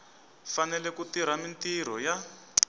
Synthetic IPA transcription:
fanɛlɛkutiɾ̤amintiɾ̤ɔja

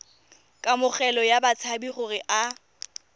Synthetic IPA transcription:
kʼamʊχɛlɔjabat͡sʰabiχʊrɪʔa

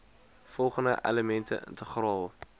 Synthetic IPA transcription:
fɔlˠχəndə̰ʔḛləmɛntʰə̰ʔɪ̰ntəχrɑːlˠ

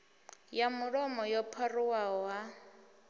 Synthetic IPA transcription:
jamʊɺɔmɔjɔpʰariwaɦɔɦa

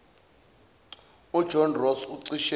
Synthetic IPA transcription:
ud̥ʒ̥ʱɔnrɔsuǀiʃɛ

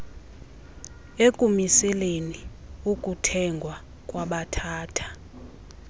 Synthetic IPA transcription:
ekʼumisɛleni | ukʼutʰɛŋɡʱwa | kʼwaɓatʰaːtʰḁ

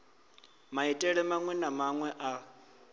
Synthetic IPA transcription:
maitʼɛɺɛmaŋwɛnamaŋwɛʔa

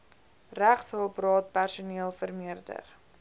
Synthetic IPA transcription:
ræχsəlˠprɑːt̚pærsuniəlˠfərmiərdə̰r

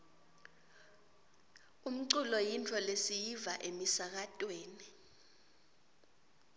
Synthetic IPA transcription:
um̩ǀulɔjintʰɔlesijivaʔemisak̬atʼweːni

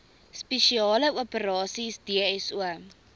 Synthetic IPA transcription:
speʃiɑːləuəpəɾɑːsisdiəɛsuə

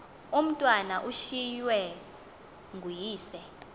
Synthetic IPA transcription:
um̩tʼwanaʔuʃijwɛ | ŋɡʱujiːsɛ

